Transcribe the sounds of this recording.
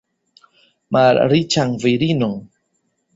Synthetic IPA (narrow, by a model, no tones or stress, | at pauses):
maɾɾit͡ʃaŋviɾinuŋ